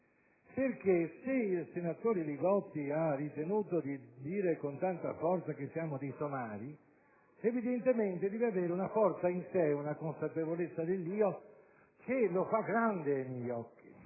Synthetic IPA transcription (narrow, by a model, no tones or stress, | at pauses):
perkeseilsenat̪oːɾeliɡɔt̪ːiarːit̪enuːt̪od̪id̪iːɾekont̪ant̪a̰fɔrt̪sak̟esːjaːmod̪ejsomaːɾi | evid̪ent̪ement̪ed̪ɛːveaveːɾeunafɔrt̪sainseunakonsapevolet̪sːad̪elːiːo | k̟elofaɡɾand̪eajmjɛjɔkːi